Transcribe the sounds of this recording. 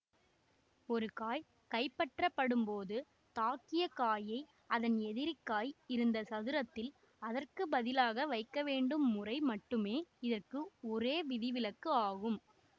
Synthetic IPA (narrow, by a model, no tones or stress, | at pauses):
ɔɾɯkaːj | kɐɪpːɐʈrɐpːɐɽɯmpoːðɯ | t̪aːkɪjɐkaːjɐɪ | ɐðɐnɛðɪɾɪkːaːjɪɾɯnd̪ɐsɐðɯɾɐt̪ːɪl | ɐðɐrkɯbɐðɪlaːɣɐʋɐɪkːɐʋeːɳɖɯmːʊrɐɪmɐʈːɯmeːɪðɐrkɯɔɾeːʋɪðɪʋɪlɐkːɯaːɣɯm